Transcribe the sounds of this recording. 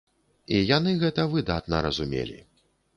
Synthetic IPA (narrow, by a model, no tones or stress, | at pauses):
ijanɨɣɛt̪ɐvɨd̪at̪nɐ̰ɾɐzumʲḛlʲḭ